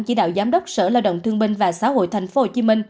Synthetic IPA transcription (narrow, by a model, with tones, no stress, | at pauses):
ŋt͡ɕḭ˧˩ɗa̰ː˧˨wzaː˨˦mɗə˦˥wk͡p̚sə̰ː˧˩laː˧wɗə̰˧˨wŋ͡mt̪ʰɨ˧əŋɓï˧ŋ̟vaː˨˩saː˨˦ho̰˧˨jt̪ʰɛ˨˩ŋ̟fo˨˦ho˨˩t͡ɕi˨˦mï˧ŋ̟